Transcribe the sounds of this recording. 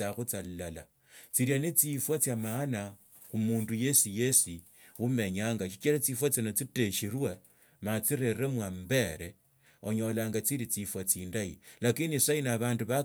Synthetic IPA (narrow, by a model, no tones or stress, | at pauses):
axut͡sallala̰ | t͡siɾianit͡sifwat͡sjamana | xumuːnduje̞sije̞si | ume̞ɲaːŋɡaʃi̥t͡ʃiɾat͡sifwat͡sinot͡siteʃirwe | mat͡siɾeremwambe̞ɾe | oɲo̞laːŋɡat͡siɾit͡sifwat͡siːndailakinisainaβaːnduβa